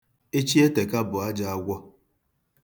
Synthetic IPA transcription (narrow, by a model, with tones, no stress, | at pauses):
e˦t͡ʃi˦e˦te˨ka˦bʊ˨a˦d͡ʒa˨a˦ɡʷɔ˦